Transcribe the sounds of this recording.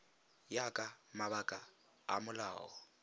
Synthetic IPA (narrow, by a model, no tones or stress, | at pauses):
jakʼamaβakʼa | a̰mʊla̰ːɔ̰